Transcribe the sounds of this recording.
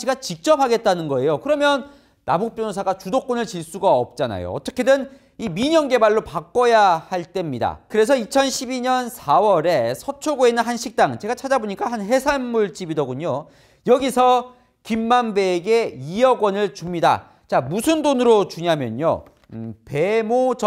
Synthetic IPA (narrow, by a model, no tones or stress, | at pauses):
iɡat͡ɕik̚t͡ɕ͈ʌp̚haɡe̞t̚t͈anɯnɡʌe̞jokɯɾʌmjʌn | nabuk̚p͈jʌnosʰaɡat͡ɕudok͈onɯɭt͡ɕiɭs͈uɡaʌp̚t͡ɕ͈ana̰jo̰ʌ̰t͈ʌkʰe̞dɯn | imiɲʌŋɡe̞baɭːopak͈ʌjahaɭt͈e̞mɲida̰kɯɾe̞s̬ʰʌit͡ɕʰʌnɕʰibiɲʌnsʰawʌɾe̞sʰʌt͡ɕʰoɡoenɯnɦanɕʰik̚t͈aŋt͡ɕe̞ɡat͡ɕʰad͡ʑaboɲik͈aɦanɦe̞sʰanmuɭt͡ɕ͈ibidʌɡuɲo | jʌɡisʰʌ | kimːanbeːɡe̞ijʌɡwʌnɯɭt͡ɕumɲida̰ | t͡ɕamusʰɯndonɯɾot͡ɕuɲɦamjʌ̰ɲo̰ | pe̞mot͡ɕ